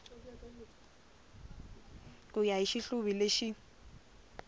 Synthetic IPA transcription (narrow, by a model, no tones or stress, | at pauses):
kʼʊjaiʃiɬʊbileʃi